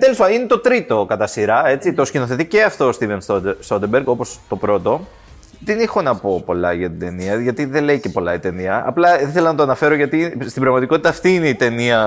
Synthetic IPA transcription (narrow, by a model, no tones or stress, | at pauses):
t̪elispɐnine̞t̪o̞t̪ɾit̪o̞kɐt̪ɐsiɾɐe̞t͡sit̪oscinoθe̞t̪ice̞ɐft̪o̞st̪ive̞nsost̪ot̪ebeɾɡo̞po̞st̪o̞pɾo̞t̪o̞ | ðenixo̞nɐpo̞po̞lɐ̰ʝɐt̪id̪e̞niɐʝɐt̪iðele̞ice̞po̞lɐit̪e̞niɐɐ̰plɐiθe̞lɐnɐt̪o̞ɐnɐfe̞ɾoʝɐt̪ist̪ibɾɐɣmɐt̪iko̞t̪it̪ɐːft̪iine̞it̪e̞niɐ